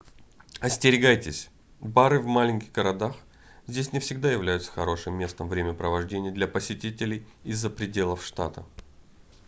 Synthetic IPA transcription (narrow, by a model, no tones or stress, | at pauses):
ɐsʲtʲɪɾʲɪɡajtʲɪsʲ | baɾɨvmalʲɪnʲkʲɪɣɡəɾɐd̪ax | zʲdʲesʲnʲɪfsʲɪɡd̪ajɪvlʲæjʊt̪sə̥xɐɾo̞ʂɨmːʲe̞st̪əmvɾʲemʲəpɾəvɐʐdʲenʲɪjəd̪lʲɐpəsʲɪtʲitʲɪlʲɪjɪzːəpɾʲɪdʲe̞lˠəfʂt̪a̰t̪ə̰